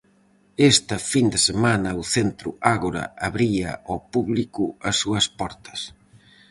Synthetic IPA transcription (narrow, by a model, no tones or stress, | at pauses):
est̪ɐfind̪ɪsemanɐuθent̪ɾʊ̰aɣoɾɐ̰aβɾiɐ̰ɔpuβlikʊɐsːuɐspɔɾt̪ɐ̥s